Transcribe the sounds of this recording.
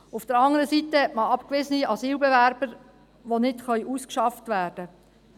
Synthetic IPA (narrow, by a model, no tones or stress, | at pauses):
ufd̥əɾɑŋəɾəsitəɛʔməɑpkʋɪzəniɑziːlbɛʋæɾb̥əɾ | ʋonɪtχœɥʔuskʃɑftʋæːrd̥ə